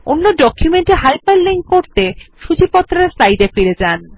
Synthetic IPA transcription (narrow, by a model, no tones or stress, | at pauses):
onːoɖɔkʰjumeɳʈeɦajpalliŋkkoɾt̪eʃud͡ʑipɔt̪ːɾaɾslajd̪efiɾed͡ʑan